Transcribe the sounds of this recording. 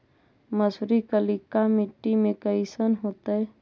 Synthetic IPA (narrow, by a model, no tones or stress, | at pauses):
məsɾikəlikamɪʈːimẽkəɪsənɦoːt̪əɛ